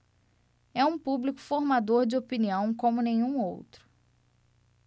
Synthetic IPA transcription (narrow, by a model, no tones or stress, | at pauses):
ɛũpublikʊ̥foɾmad̪oɾd͡ʒɪopiniɐ̃w̃kõmʊnẽɲ̃ũowt̪ɾʊ̥